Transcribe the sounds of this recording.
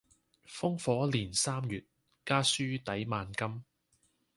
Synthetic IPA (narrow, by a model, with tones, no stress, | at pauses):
fʊ˥ŋfɔː˨˥liː˨˩nsaː˥mjyː˨t̚ | kaː˥syː˥t̪ɐ˨˥jmaː˨˧nkɐ˥m